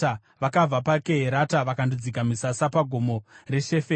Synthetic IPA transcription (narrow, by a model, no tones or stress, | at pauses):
ʋakavapakeɦeɾataʋakandid͡zikamisasapaɡʱomo̞re̞ʃe̞fe